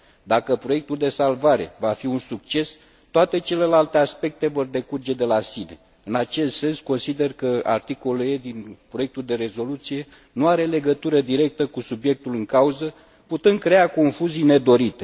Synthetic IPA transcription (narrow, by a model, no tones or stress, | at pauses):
d̪akəpɾo̞je̞k̚t̪uld̪e̞salvaɾe̞̰vafiunsuk̚t͡ʃe̞s | t̪oat̪e̞t͡ʃe̞le̞lalt̪e̞aspe̞k̚t̪e̞vo̞rd̪e̞kurd͡ʒe̞d̪e̞lasine̞̰ | ɨnat͡ʃe̞st̪se̞nsko̞nsid̪e̞rkəa̰rt̪iko̞led̪inpɾo̞jek̚t̪uld̪e̞ɾe̞zo̞lut̪sije̞ | nuaɾe̞le̞ɡət̪uɾəd̪iɾe̞k̚t̪əkusubje̞k̚t̪ulɨŋkauzə | put̪ɨn̚kɾe̞ako̞nfuzijne̞d̪o̞ɾit̪e̞̥